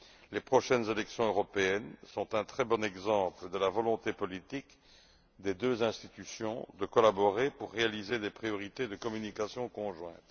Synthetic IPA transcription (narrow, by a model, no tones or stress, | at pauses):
lepχɔʃɛnzelɛksjɔ̃øʁɔpeɛnsɔ̃t̪ɛ̃t̪χɛbɔnɛɡzɑ̃pləd̪əlavɔlɔ̃t̪epɔlit̪ik | d̪ed̪øzɛ̃st̪i̥t̪ysjɔ̃d̪əkɔlabɔʁepuʁːealized̪epχijɔʁit̪ed̪əkɔmynikasjɔ̃kɔ̃ʒwɛ̰̃t̪